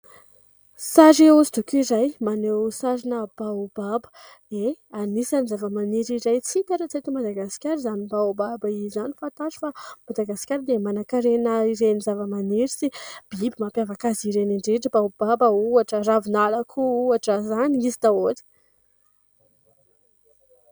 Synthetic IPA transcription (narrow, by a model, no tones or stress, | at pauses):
saɾeuzid̪ukʲuiɾajmanewsaɾinəb̥aubabə̥eanisanizavəmaniɾiɾajt͡sit̪aʈ͡ʂət͡set̪imad̪aɡasi̥kʲaɾizanibawbabaizanifant̪aɾi̥famad̪aɡasi̥kʲaɾd̪emanakaɾenəiɾenizavəmaniɾisib̥ibimapjavakaziɾeniɳɖ͡ʐeʈ͡ʂibaub̥abəuaʈ͡ʂəravinalakʰuuaʈ͡ʂəzaniizi̥d̪aot̪i̥